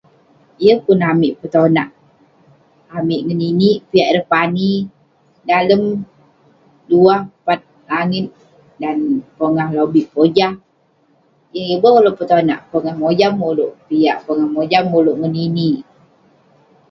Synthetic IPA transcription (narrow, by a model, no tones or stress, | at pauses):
ijəpunamiʔpət̪onaʔ | amiʔŋəniniʔpiaʔɾəhpani | daləm | duahpat̪̚ | laŋɪt̪̚ | danpoŋahlobiʔpod͡ʒah | jəjəbəkoloʔpət̪ona̰ʔpoŋahmod͡ʒamuloʔpijaʔpoŋahmod͡ʒamːuluʔŋənini